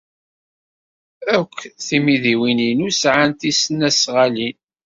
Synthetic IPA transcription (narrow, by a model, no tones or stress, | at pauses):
ækʷːθimiðiwininusʕant̪isənːæsʁalin